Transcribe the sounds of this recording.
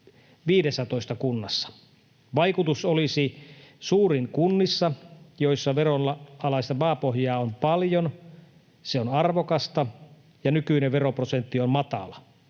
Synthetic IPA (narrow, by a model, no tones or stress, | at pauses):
ʋiːdesːæt̪oist̪ɑkunːɑsːɑ̥ | ʋɑjkut̪usolisisuːriŋkunːisːɑjoisːɑʋeronɑɑlɑist̪ɑmɑːpohjɑːompɑljon | seonɑrʋokɑst̪ɑ | jɑnykyineʋʋeroprosent̪ːiommɑt̪ɑ̰lɑ